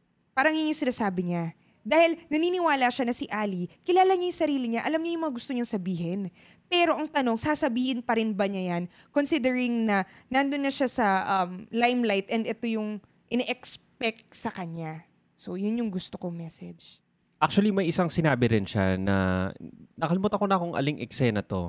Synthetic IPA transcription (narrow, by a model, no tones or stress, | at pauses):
paːɾɐŋjʊnʊŋsɪnaːsaːbɪɲa | d̪aːhɪlnɐniːnɪwaːlɐʃanɐsɪʔaːlikɪlaːlɐɲajʊŋsɐɾiːlɪɲaʔɐlamɲɐjʊŋmɐŋɐɡʊst̪o̞ɲaŋsɐbiːɦɪn | pɛːɾo̞ʔɐŋt̪ɐno̞ŋsaːsɐbiːhɪnpɐɾɪnbɐɲajan | konsɪd̪ɛɹɪŋnɐnand̪onːɐʃasɐʔɐmlajmlajt̪ʔɛnd̪ɛt̪o̞jʊŋ | ʔɪnɛʔɛkspɛk̚t̪sɐkɐɲa | so̞jʊnjʊŋɡʊst̪okoŋmɛsɛd͡ʒ | ʔak̚t͡ʃuɐlimɐjʔɪsaŋsɪnaːbɪɾɪnʃa̰nɐ̰ | nɐkɐlmot̪ɐkonɐkoŋʔɐ̰lɪŋʔɛ̰ksɛːnɐt̪o̞̰